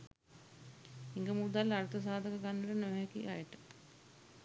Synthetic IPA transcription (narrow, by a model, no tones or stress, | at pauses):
iŋɡəmud̪alːaɾt̪əs̬aːd̪ʱəkəɡanːʋəʈənəʋɦɛkiʔa̰jəʈə̥